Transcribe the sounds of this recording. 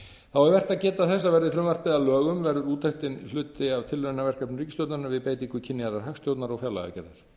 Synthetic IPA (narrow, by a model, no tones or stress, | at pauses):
θawɛɾvɛr̥t̪aðcɛːt̪aθɛs̬ːavɛɾðɪfɾʏmvar̥t̪ɪɛalœːɣʏmvɛɾðʏɾuːt̪ʰajxt̪ɪnl̥ʏːt̪ɪavt̪ʰɪlvʏnavɛr̥kapnʏriːcːɪst̪jowt̪naɾnavɪðpeːjt̪iŋkʏcʰɪnːɪaɾðaɾ̥ɦœxst̪jowt̪naɾɔwfjala̰ɣa̰cɛ̰ɾðaɾ̥